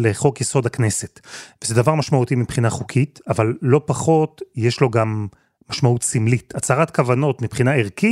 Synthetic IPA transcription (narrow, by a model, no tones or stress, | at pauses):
leχo̞kjeso̞d̪hakne̞setvezed̪avaʁmaʃmautimipχinaχukʰitavalːo̞paχo̞tjeʃlo̞ɡamː | aʃmautsimlitat͡saʁatkavano̞tmipχinaeʁki